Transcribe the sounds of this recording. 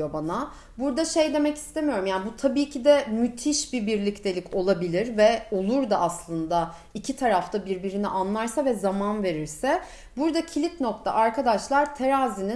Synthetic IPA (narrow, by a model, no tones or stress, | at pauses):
o̞bana | buɾd̪aʃe̞jd̪e̞mɛci̥st̪ʰe̞mijo̞ɾumjaːnbut̪ʰabiːcʰid̪ɛmyt̪ʰiʃbibiɾlʲict̪ʰe̞lʲicʰo̞lˠabilʲiɾvɛo̞lˠuɾd̪aʔaslˠɯnd̪a | icʰit̪ʰaɾaft̪ʰabiɾbiɾiniʔanlˠaɾsavɛzamanve̞ɾiɾsɛ | buɾd̪acʰilʲitno̞k̚t̪ʰa̰ʔaɾkʰad̪aʃlˠaɾt̪ʰeɾazini